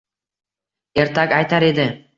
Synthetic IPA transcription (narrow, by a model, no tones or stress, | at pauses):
e̞ɾt̪ʰakʲajt̪aɾe̞d̪ɪ